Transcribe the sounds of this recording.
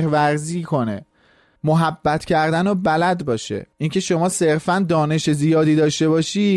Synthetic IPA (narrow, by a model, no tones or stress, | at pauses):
ɾvæɾziːkʰo̞ne̞̰ | moɦæbːæt̪ʰcʰæɾd̪ænobælæd̪bɒːʃḛincʰe̞ʃo̞mɒːseɾfænd̪ɒːne̞ʃezijɒːd̪iːd̪ɒːʃt̪e̞βɒːʃiː